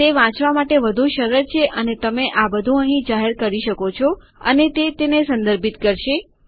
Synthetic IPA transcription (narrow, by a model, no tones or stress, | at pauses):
t̪eʋãt͡ʃʋamaʈeʋəd̪ʱuʃəɾəɾt͡ʃʰeʔənet̪əmeʔabəd̪ʱũəɦĩd͡ʒaɦeɾkəɾiʃəkot͡ʃʰɔ | ə̰net̪et̪enesə̃nd̪əɾbʱit̪kəɾʃe